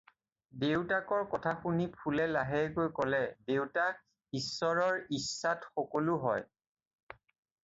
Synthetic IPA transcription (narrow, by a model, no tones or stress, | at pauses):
dewtakɔɹkɔtʰaxunipʰulɛlaɦɛkojkɔlɛdewta | isːɔɹɔɹisːatxɔkolʊɦɔ̰j